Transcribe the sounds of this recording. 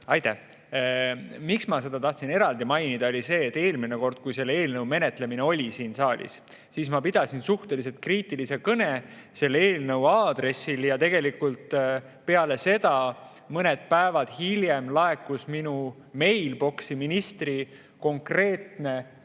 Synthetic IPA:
ɑjt̪æh | miksmɑse̞d̪̥ɑt̪ɑht̪sine̞ɾɑld̪imɑjnid̪ɑo̞lʲise̞ːt̪ːˑe̞ːlmineko̞rd̪̥̚kujse̞lːe̞ːlnɤwme̞ne̞t̪ˑle̞mine̞o̞lʲisiːnsɑːlʲḭs | siːsmɑpid̪̥ɑsinsuht̪e̞lise̞t̪̚kriːt̪ːˑilise̞kɤne̞ | se̞lːe̞ːlnɤwɑːd̪re̞sːiljɑt̪e̞ɡ̥e̞likult̪ | pe̞ɑle̞se̞d̪ɑ | mɤne̞d̪̥̚pæevɑd̪̥hilje̞mlɑe̞kːˑusminu | me̞jlbo̞ksiminist̪ri | ko̞ŋkre̞ːt̪ne̞

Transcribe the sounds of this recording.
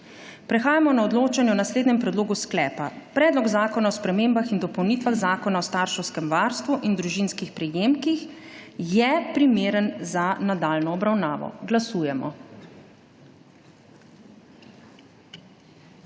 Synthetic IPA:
pɾɛxaːjamɔnaɔd̪loːt͡ʃanjɛɔnasleːd̪nɛmpɾɛd̪loːɡusklɛːpapɾɛːd̪lɔɡzaːkɔnaɔspɾɛmembaxind̪ɔpɔwniːt̪ʋaɣzaːkɔnaɔst̪aɾʃɛwskɛmʋaːɾst̪ʋuʔind̪ɾuʒinskixpɾɛjeːmkix | jɛpɾimeːɾənzanad̪aːlnɔːbɾawnaːʋɔ̰ɡlasuːjɛmɔ̰

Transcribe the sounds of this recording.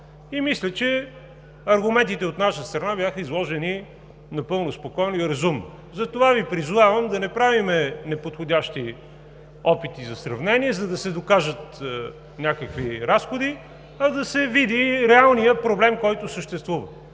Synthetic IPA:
imislʲət͡ʃɛ | ɐɾɡʊmɛ̃nt̪it̪ɛot̪naʃəst̪ɾɐnabʲjaxəizlˠɔʒɛni | nɐpɤlˠnospokɔjnoiɾɐzumno | zɐt̪ovavipɾizʊvavəmd̪ɐnɛpɾavimɛnɛpot̪xodʲaʃt̪i | ɔpit̪izɐsɾɐvnɛniɛzɐd̪ɐsɛd̪okaʒət̪ | nʲakəkviɾasxod̪i | ɐd̪ɐsɛvid̪iɾɛalˠnijəpɾoblɛmkɔjt̪ʊsəʃt̪ɛst̪vuvə

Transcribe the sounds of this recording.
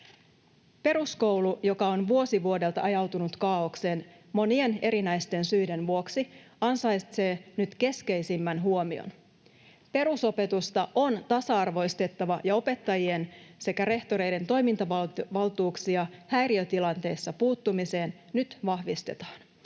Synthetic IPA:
pe̞ɾusko̞wlujo̞kɑo̞nʋuo̞siʋuode̞lt̪ɑ̰ʔɑjɑwt̪unut̪kɑːokse̞ːn | mo̞nie̞ne̞ɾinæjst̪e̞nsyjde̞nʋuo̞ksiɑnsɑjt̪se̞ːnyt̪ke̞ske̞jsimːænɦuo̞mio̰n | pe̞ɾuso̞pe̞t̪ust̪ɑʔo̞nt̪ɑsɑɑrʋo̞jst̪e̞t̪ːɑʋɑjɑo̞pe̞t̪ːɑjie̞nse̞kæɾe̞ht̪o̞ɾe̞jde̞nt̪o̞jmint̪ɑʋʋɑlt̪uːksiɑhæjɾiøt̪ilɑnt̪e̞jsːɑpuːt̪ːumise̞ːnːyt̪ʋɑhʋist̪e̞̰t̪ɑ̥ːn

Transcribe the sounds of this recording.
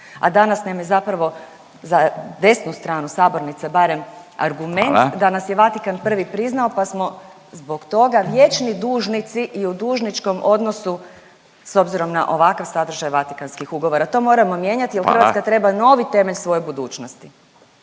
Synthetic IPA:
a̰d̪anasnamje̞zapɾaʋo̞ | zad̪e̞snust̪ɾaːnusaːbo̞ɾnit̪sebaɾe̞ma̰ɾɡument̪d̪anasjeʋat̪ikanpr̩ʋipɾiznaopasmo̞ | zbo̞ɡt̪o̞ɡaʋje̞t͡ʃnid̪uːʒnit̪siʔiud̪uːʒnit͡ʃko̞mo̞d̪no̞su | so̞bziɾo̞mna̰ʔo̞ʋakaʋsad̪r̩ʒajʋat̪ikanskixuɡo̞ʋo̞ɾat̪o̞mo̞ɾamo̞mjeɲat̪ijelxrɾʋat̪skat̪ɾe̞bano̞ʋit̪e̞me̞ʎsʋo̞jebud̪uːt͡ʃnost̪i

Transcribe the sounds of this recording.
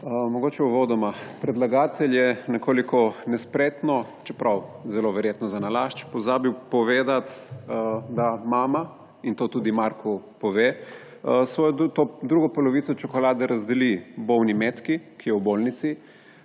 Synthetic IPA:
mɔɡoːt͡ʃɛuʋoːd̪ɔmapɾɛd̪laɡaːt̪ʰɛljɛnɛkoːlikɔnɛspɾeːt̪nɔ | t͡ʃɛpɾawzɛloːʋɛɾjeːt̪nɔzanalaʃt͡ʃpɔzaːbiwpɔʋeːd̪at̪ | d̪amaːma | int̪oːt̪ud̪imaɾkʰɔpɔʋeː | sʋɔjɔt̪od̪ɾuːɡɔpɔlɔʋit̪sɔt͡ʃɔkɔlaːd̪ɛɾazd̪ɛlibownimet̪kikijɛwbolnit̪si

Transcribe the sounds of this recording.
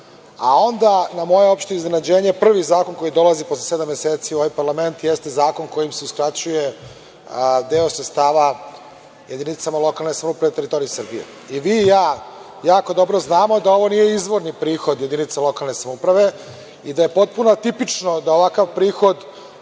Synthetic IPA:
a̰o̞nd̪anamo̞jeo̞pʃt̪iizne̞nad͡ʑe̞ːɲe̞pr̩ʋizaːko̞nko̞jid̪o̞lˠaziposlese̞d̪amjeseːt̪siuo̞ʋajpaɾlame̞nt̪jest̪e̞zaːko̞nko̞jimseuskɾat͡ɕuje̞ | d̪eo̞sɾet̪st̪aːʋa | je̞d̪init̪samalˠo̞kalˠnesamoupɾaʋet̪eɾit̪o̞ɾiisɨrbijḛ | iʋiːjaː | jaːko̞d̪o̞bɾoznaːmo̞d̪ao̞ʋo̞nije̞izʋo̞ɾnipɾiːxo̞d̪je̞d̪init̪salo̞kalˠne̞samoupɾaʋe̞ | id̪aje̞po̞t̪̚punoat̪ipit͡ʃnod̪aoʋakaʋpɾiːxo̞d̪

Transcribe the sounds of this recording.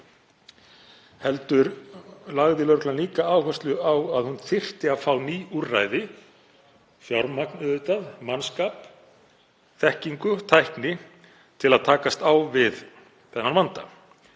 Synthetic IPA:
hɛlt̪ʏɾlaɣðɪlœɾklanliːkaaːwhœst̪lʏawaðhunθɪr̥t̪ɪafaːwniːura̰jðɪ | fjawɾmaknœðʏt̪aðmanskaːp | θɛhciŋkʏt̪ʰajhknɪ | t̪ʰɪlaðt̪ʰaːkast̪awvɪð | θɛnːanvant̪a̰

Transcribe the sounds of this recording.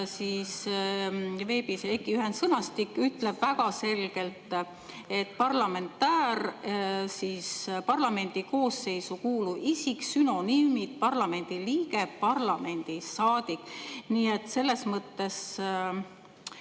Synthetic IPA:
siːs | ve̞ːbisekːiyɦe̞nsɤnɑst̪ikːyt̪ːle̞b̥væɡɑse̞lɡ̥e̞lt̪ˑ | e̞t̪ːpɑrlɑme̞nt̪ːæːɾ | siːspɑrlɑme̞nʲd̪̥iko̞ːsːe̞jsukuːluʔisiksyno̞nimid̪̥̚pɑrlɑme̞nʲd̪̥iliːɡe̞pɑrlɑme̞nʲd̪̥isɑːd̪̥ikːˑniːet̪ːse̞lːe̞smɤt̪ːe̞s

